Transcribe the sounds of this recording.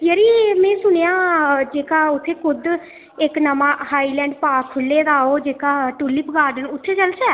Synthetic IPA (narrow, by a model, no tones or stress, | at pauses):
jəɾiːmɛ̃ːsʊñejãːd͡ʒeːkaːʊt̪ʰːeːkʰʊd̪ | ɪknəmãːhaːiːlɛ̃ːɳɖpaːkʰːʊlːeːd̪aːoːd͡ʒeːkaːʈulːiːpəɡaːɾɖənʊt̪ʰːeːt͡ʃəlt͡ʃɛː